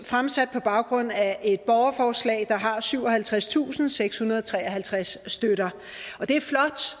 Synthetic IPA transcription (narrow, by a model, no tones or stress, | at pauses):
fʁamsæd̥̚pʰɒ̽b̥ɑ̈ʊɡ̥ʁɔ̽n̰æʔe̝d̥̚b̥ɒʊɐfɒːslɛ̰ːɪd̥ɑ̈ɦɑ̈syʊ̰ɒ̽ɦælt͡sʰʁast͡sʰṵːsn̩seɡ̥shunɐð̞ˠɒt͡sʰʁɛːɐɦælt͡sʰʁasːd̥øɾ̥ɐ | ʔɒ̽d̥e̝æɐflɒ̽d̥